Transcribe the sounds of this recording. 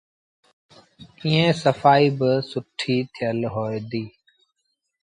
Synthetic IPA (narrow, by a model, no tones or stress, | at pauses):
ĩːẽːsəfaːiːbɪsʊʈʰːiːt̪ʰɪjəlɦoːed̪iː